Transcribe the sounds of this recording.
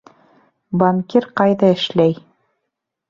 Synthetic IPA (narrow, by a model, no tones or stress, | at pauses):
bamkʲiɾqɑjðɑɘ̆ʃlæj